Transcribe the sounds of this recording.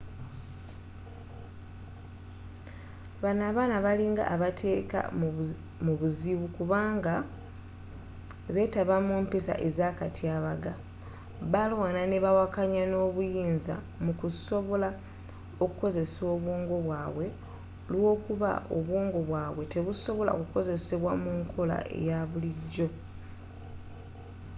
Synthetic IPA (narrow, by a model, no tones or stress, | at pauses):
βanaːβaːnaβaliŋɡa̰ʔːβatʰe̞ːka̰ | muβuziβukuβaːŋɡa | βe̞taβamuːmpisa̰ʔe̞zakatʰiaβaɡa | βalwanane̞βawakaɲano̞ːβujiːnza̰ | mukuso̞βo̞la | o̞kuko̞ze̞so̞ːβwoːŋɡo̞βwaːβwe̞ | lwo̞ːkuβa̰ʔo̰βwoːŋɡo̞βwaːβwe̞te̞βuso̞βo̞la̰o̰kuko̞ze̞se̞βwamuŋkʰo̞la̰ʔḛjaβuliɟːo̞